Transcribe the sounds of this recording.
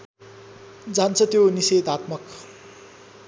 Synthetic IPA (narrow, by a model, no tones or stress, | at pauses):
d͡zant͡sʰʌt̪joniset̪at̪mʌk